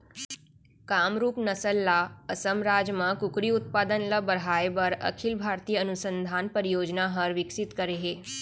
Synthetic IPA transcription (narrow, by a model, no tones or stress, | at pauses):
kaːmɾuːpnɐsəlːaəsəmɾaːd͡ʒmãkʊkɾiʊt̪̚paːd̪ənlabəɽaːebɐɾɐ̰kʰɪlbʱaːɾt̪ijənʊsə̃nd̪ʱaːnpəɾijoːd͡ʒnaɦɐɾʋɪksɪt̪kəɾeɦeː